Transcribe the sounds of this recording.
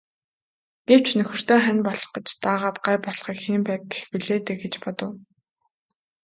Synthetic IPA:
ɡ̥ew̥t͡ɕʰnɵxɵ̆r̥t̪oːχænʲpɔɮ̥ɞ̥̆χɢɞ̆t͡ɕt̪aːʁaːt̪̚ɢaːjpɔɮχiːkxiːmpæːk̚ɡe̥xpɵ̆ɮeːt̪ɘ̆ɡet͡ɕpɔt̪ɞ̆w

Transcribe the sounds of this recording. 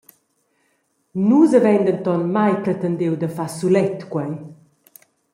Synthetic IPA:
nuzəvɛnd̪ənt̪ɔnmajpɾɛt̪ənd̪ewd̪əfasulɛt̪kwɛj

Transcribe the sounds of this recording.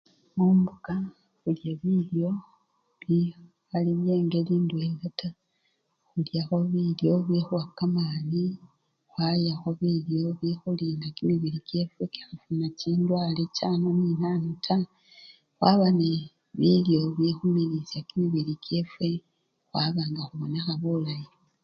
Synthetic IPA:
muːmbuka | xuljaβiljo̞ | βi | aliβe̞ːŋɡe̞liːndweŋɡata | xuljaxo̞βiljo̞βixuakːamaːni | xwajaxo̞βiljo̞βixuliːnɡakimiβilike̞fwe̞ki̥xafunaciːndwalecanoninanutʰa | xwaβane | βiljo̞βixumilisjakimiβilike̞fwe̞ | xwaβaːŋɡaxuβo̞ne̞xaβulaji

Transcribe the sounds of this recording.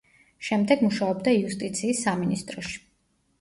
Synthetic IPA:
ʃɛmd̪ɛɡmuʃaɔbd̪aiust̪ʼit̪sʰiːsːaminist̪ʼɾɔʃi̥

